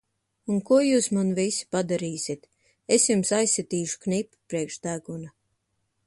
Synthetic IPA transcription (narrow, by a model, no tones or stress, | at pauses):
unkuɔjuːsmanvisi̥pad̪aɾiːsʲit̪ | esjumsajsʲːɛt̪iːʃu̥knipːu̥pɾiɛkʃd̪æɡuna